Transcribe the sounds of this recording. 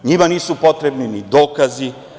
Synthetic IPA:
ɲimaniːsupo̞t̪ɾebninid̪oːkazi

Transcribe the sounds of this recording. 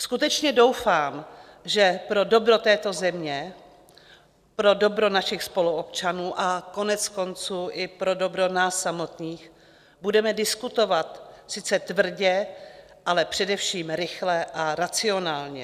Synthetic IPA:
skut̪ɛt͡ʃɲɛdo̞wfaːm | ʒɛpɾo̞do̞bɾo̞t̪ɛːt̪o̞zɛmɲɛ | pɾo̞do̞bɾo̞naʃɪxspo̞luopt͡ʃanuːʔako̞nɛt͡sko̞nt͡suːʔɪpɾo̞do̞bɾonaːsːamo̞t̪ɲiːx | budɛmɛdɪskut̪o̞vat̪sɪt͡sɛt̪vr̩ɟɛ | ʔalɛpr̝̥ɛdɛfʃiːmɾɪxlɛʔaɾat͡sɪo̞naːlɲɛ̰

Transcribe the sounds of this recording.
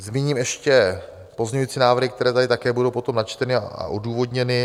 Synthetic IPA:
zmiɲiːmɛʃcɛ | po̞zɲɛɲuiːt͡siːnaːvɾr̩ɦɪkt̪ɛɾɛːt̪adɪt̪akɛːbudowpo̞t̪o̞mnat͡ʃt̪ɛnɪa̰a̰ʔoduːvo̞dɲɛnɪ

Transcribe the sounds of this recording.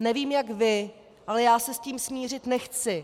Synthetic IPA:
nɛviːmjakvɪ | ʔalɛjaːsɛsciːmsmiːr̝ɪt̪nɛxt͡sɪ

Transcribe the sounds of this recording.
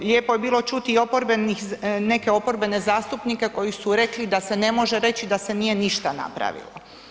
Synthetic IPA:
lʲjeːpojebiːlˠo̞t͡ʃut̪io̞poɾbenixne̞keopo̞ɾbe̞ne̞zaːst̪upnike̞ko̞jisuɾe̞klid̪ase̞ne̞mo̞ʒe̞ɾe̞t͡ɕid̪ase̞nije̞niʃt̪ana̰pɾa̰ʋḭlo̰

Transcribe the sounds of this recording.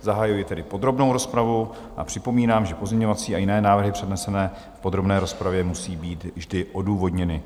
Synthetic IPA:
zaɦajujɪt̪ɛdɪpo̞d̪ɾo̞bno̞wɾo̞spɾavu | ʔa̰pr̝̥ɪpo̞miːnaːmʒɛpo̞zɲɛɲovat͡siːajɪnɛːnaːvr̩ɦɪpr̥ɛdnɛsɛnɛː | fpo̞d̪ɾobnɛːɾo̞spɾavjɛmusiːbiːt̪vʒdɪʔo̞duːvo̞dɲɛnɪ

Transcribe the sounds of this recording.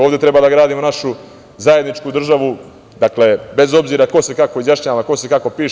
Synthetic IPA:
oːvd̪e̞t̪ɾe̞baːd̪aɡɾaːd̪imo̞naʃu | zaje̞d̪nit͡ʃkud̪r̩ʒaʋu | d̪akle̞be̞zo̞bziːɾako̞sekako̞izjaʃɲaːʋako̞sekako̞piːʃ

